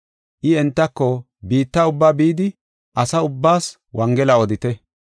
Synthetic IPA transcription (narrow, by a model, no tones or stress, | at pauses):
ʔɪɛnt̪ːɐkːɔ | biːt̪ːɐʊbːaːbiːd̪ɪ | ʔɐsɐʊbːaːs | wɐŋɡɛlɐɔd̪ɪt̪ɛ